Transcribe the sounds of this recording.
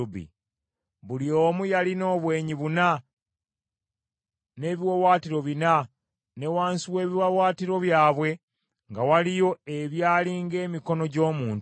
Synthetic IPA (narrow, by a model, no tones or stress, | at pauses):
bḭ | βulio̞ːmujalino̞ːβwe̞ːɲiβuna | ne̞ːβiwowaːtiɾo̞βina | ne̞waːnsiwe̞ːβiwawaːtiɾo̞βjaːβwe̞ | ŋɡawalijo̞e̞βjaːliːŋɡe̞ːmiko̞no̞ɟo̞ːmuːn